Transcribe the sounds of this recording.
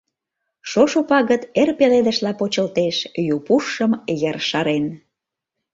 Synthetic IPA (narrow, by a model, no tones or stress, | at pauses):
ʃoʃopɑɣət̪erpeled̪ə̆ʃlɑpot͡ɕəlt̪eʃjupuʃəmjerʃɑɾen